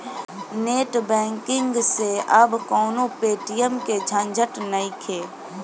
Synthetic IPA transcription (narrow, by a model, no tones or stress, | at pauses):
neːʈbɛ̃ːŋkɪ̃ŋɡseʔəbkɔːnopeːʈijəmked͡ʒʱãnd͡ʒʱəʈnəĩkʰeː